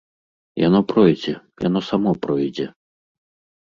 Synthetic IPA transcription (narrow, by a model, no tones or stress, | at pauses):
janɔpɾɔjd͡zʲɛ | ja̰nɔsamɔpɾɔjd͡zʲɛ